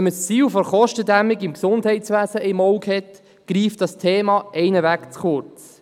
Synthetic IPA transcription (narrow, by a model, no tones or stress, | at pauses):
ɛməst͡siːlfɔɾχɔʃtədæmɪɡɪmksʊndhɛɪtt͡sʋæːzəʔɪmɔʊkhɛt | ɡ̥riːftd̥ɑstʰeːmɑʔɛɪnəvækt͡sχʊɾt͡s